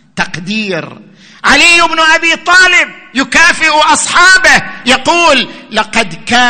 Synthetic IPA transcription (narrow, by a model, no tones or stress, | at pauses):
t̪ɑqd̪iːɾ | ʕalɪjːɪbnʔabiːt̪ˤɑːlɪb̚jʊkaːfɪʔʔɑsˤħɑːbɪhjɑquːlːɑqɑd̪kaː